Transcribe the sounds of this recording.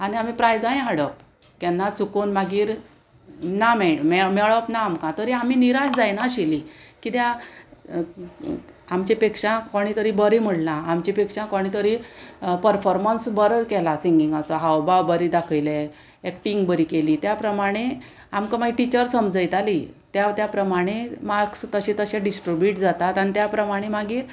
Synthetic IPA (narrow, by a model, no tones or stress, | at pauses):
aɽ̃iam̤ipɾajd͡zajɦaɽəp̚ | kɛnːat͡sʰukonmaɡiːɾ | namememeɭəpnaːmkãt̪əɾiam̤iːniɾasd͡zajnaɕilikit̪ja | amt͡ɕipekʂãkoɽ̃it̪əɾibəɾim̤əɽlãamt͡ɕipekʂãkoɽ̃it̪əɾipəɾfɔɾmənsbəɾkɛlasiŋɡiŋɡasɔɦawbawbəɾid̪akʰəjle | ekʈiŋɡbəɾiːkeliːt̪japɾəmaɽ̃e | amkãmaɡiʈit͡ɕəɾsəmd͡zəjt̪alit̪jat̪japɾəmaɽ̃emaɾkst̪əɕĩt̪əɕɛ̃ɖisʈɾibjiʈd͡zat̪at̪anit̪japɾəmaɽ̃emaɡiːɾ